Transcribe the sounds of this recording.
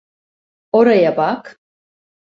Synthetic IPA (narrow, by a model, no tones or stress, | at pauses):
oɾajabak